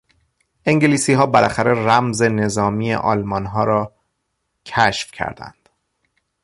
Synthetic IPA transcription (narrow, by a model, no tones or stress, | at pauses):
ʔe̞ŋɟeliːsiːɦɒːbælʔæxæɾe̞ræmze̞ne̞zɒːmiːjḛʔɒ̰ːlmɒnɦɒːɾɒː | cʰæʃfcʰæ̰ɾd̪æ̰nd̪̥